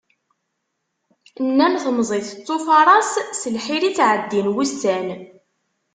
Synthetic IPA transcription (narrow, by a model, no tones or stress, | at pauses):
nːænθmzˤiθət͡s̪ˤːofɑɾˤɑssəlħiɾit͡sʕəd̪ːinwust̪æn